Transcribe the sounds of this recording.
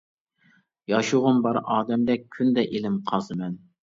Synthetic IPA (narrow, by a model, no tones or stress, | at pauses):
jɑʃuʁʊnbɑɾɑːd̪ɛmd̪ɛk̚ʲʰːynd̪ɛʔelɪmqʰɑzɨmɛn